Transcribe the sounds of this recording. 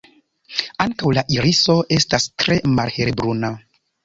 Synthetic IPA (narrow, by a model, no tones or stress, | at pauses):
aŋkawlaʔiɾiso̞ʔe̞stastɾe̞malhe̞ɾbɾuna